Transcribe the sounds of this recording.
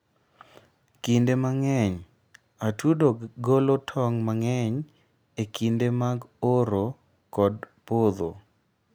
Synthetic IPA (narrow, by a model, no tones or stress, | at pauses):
kindemaŋɛɲ | atudoɡolotʰɔŋmaŋɛɲ | ekindemaɡoɾo | kɔdpod̪o̰